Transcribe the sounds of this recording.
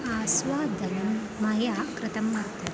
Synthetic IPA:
aːsʋaːd̪ɐnɐmː | ɐjaːkɾɨt̪ɐmːɐt̪ɐ

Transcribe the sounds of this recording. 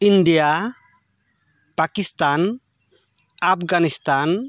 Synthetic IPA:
india | pakist̪an | apɡanist̪an

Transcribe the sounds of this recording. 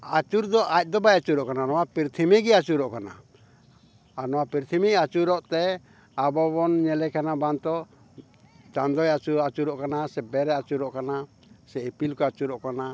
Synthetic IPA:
at͡ʃuɾd̪ɔʔac̚ˀd̪ɔbajat͡ʃuɾɔʔkananɔwapiɾt̪ʰimɛɡɛat͡ʃuɾɔʔkana̰ | anɔwapiɾt̪ʰimiat͡ʃuɾɔʔt̪ɛ | abɔbɔnɲɛlɛkanabant̪ɔ | t͡ʃand̪ɔjat͡ʃuɾɔat͡ʃuɾɔʔkanasɛbɛɾɛat͡ʃuɾɔʔkana | sɛepilkɔat͡ʃuɾɔʔkana

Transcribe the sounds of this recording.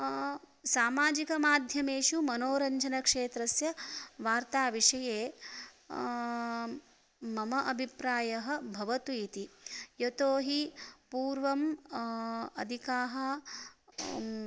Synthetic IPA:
saːmaːd͡ʒikɐmaːd̪ʱjɐmeːʃumɐnoːɾɐɲd͡ʒʱɐnɐkʂeːt̪ɾɐsjɐʋaːɾt̪aːʋiʂɐjeː | mɐmɐʔɐbʱipɾaːjɐɦɐ̆bʱɐʋɐt̪uit̪ijot̪oːɦipuːɾʋɐm | ɐ̰d̪ʱikaːɦɐ

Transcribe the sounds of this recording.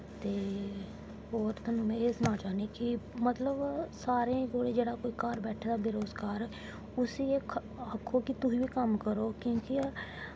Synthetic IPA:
t̪eː | oːɾt̪ʊnũːẽɪsnãːt͡ʃaːneːkɪmət̪ləbsaːɾẽːkoːɽeːd͡ʒeːɽaːkoːiːkaːɾbɛːʈʰːd̪aːbɪɾoːzkaːɾ | ʊsieː | aːkʰːoːkɪt̪ʊɦiːʋiːkəmkəɾoːkjõːki

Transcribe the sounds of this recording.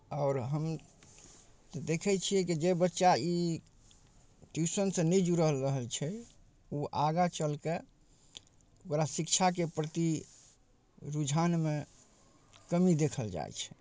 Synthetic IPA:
aʊɾɦəm | t̪ɔd̪ekʰɛt͡ʃʰiɛkid͡ʒebətːʃai | ʈjusənsə̃nɛd͡ʒuɾəɦəlɾəɦəlt͡ʃʰɛ | uʔaɡat͡ʃəlke | okɾasikt͡ʃʰak̬epɾət̪i | ɾud͡ʒʱanme | kəmid̪ekʰəld͡ʒa̰j̰t͡ʃʰɛ̥

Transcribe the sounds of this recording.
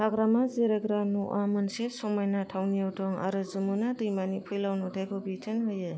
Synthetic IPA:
taɡɾamazeɾaɡɾanuʔamɯnsesɔmajnatʰawnijawdɔŋa̰ɾɯzɯmunadɯjmanipʰɯjlawnudajkʰobitʰɯnɦɯjɯ

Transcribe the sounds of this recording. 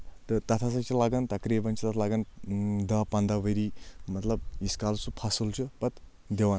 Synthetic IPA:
t̪ɨt̪ɐt̪ʰasat͡ʃʰilaɡɐnt̪ɐkɾibɐnt͡ʃʰit̪ɐt̪ʰalaɡɐnd̪ɐpɐnd̪abəɾimɐt̪lɐb̚iskalsʰupʰasult͡ʃʰupɐt̪ | d̪ewan

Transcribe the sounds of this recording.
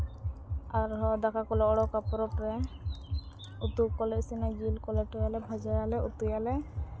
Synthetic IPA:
aɾɦɔd̪akʰakɔlɛɔɽɔkapɔɾɔpɾɛ | ut̪ukɔlesinaɡilkɔlɛʈɔjalɛbʱad͡ʒajalɛut̪ujalɛ

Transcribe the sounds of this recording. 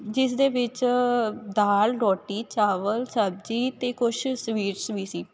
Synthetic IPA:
d͡ʒɪs̬d̪eːʋɪt͡ʃ | d̪aːlɾɔːʈiːt͡ʃaːʋəlsəb̚d͡ʒiːt̪eːkʊʃsʋiːɾsʋiːsiː

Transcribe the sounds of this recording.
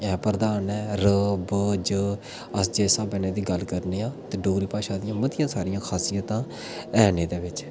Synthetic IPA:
ɛːpəɾd̪aːnɛːɾəbd͡ʒəː | əsd͡ʒɛːsaːbɛːneːd̪iːɡəlkəɾneːaːt̪eːɖoːɡɾiːpaːʃaːd̪ɪjãːmət̪ɪjãːsaːɾɪjãːkʰaːsijət̪ãː | ɛːneːd̪eːʋɪt͡ʃ

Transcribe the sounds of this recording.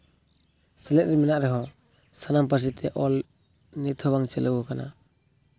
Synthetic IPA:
sɛlɛt̪̚ɾɛmɛnaʔɾɛɦɔ | sanampas̬it̪ʰɛʔɔl | nit̪ʰɔbaŋt͡ʃɛləwɔkana̰

